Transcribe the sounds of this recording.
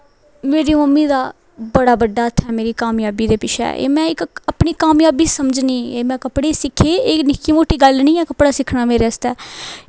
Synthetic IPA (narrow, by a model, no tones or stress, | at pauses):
meːɾiːməmːiːd̪aː | bəɽaːbəɖːaːət̪ʰːɛːmeːɾiːkaːmjaːbiːd̪eːpɪʃʰɛ̰ːḛːmɛ̃ːɪkəpɳiːkaːmjaːbiːsəmd͡ʒniːeːmɛ̃ːkəpɽeːsɪkʰeːeːknɪkːiːmoːʈiːɡəlnĩːɛːkəpɽaːsɪkʰnaːmeːɾɛːst̪ɛː